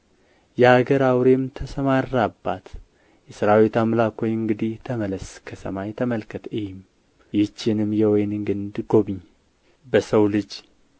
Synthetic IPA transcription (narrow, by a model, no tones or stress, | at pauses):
jɛaɡəɾawɾe̞mt̪ʰəsəmaɾːabːat̪ | jɛsɨɾawit̪amlakʰojɨŋɡɨd̪it̪ʰəmələskʰəsə̰majt̪ʰəməlkʰət̪ʰɨjm | jɪt͡ʃːɪnɨmjɛwɔjnɨŋɡɨnd̪ɡo̞βɨɲː | bəsəwlɨd͡ʒ